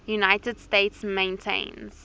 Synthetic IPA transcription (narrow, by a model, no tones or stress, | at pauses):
junaɪtədsteɪtsmẽɪ̃ntʰḛ̃ɪ̃nz̥